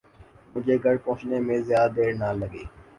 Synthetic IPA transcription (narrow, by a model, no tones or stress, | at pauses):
mʊd͡ʒʱeɡʱɐɾpɔ̃ːt͡ʃnemẽzjaːd̪d̪eːɾnalɐɡeː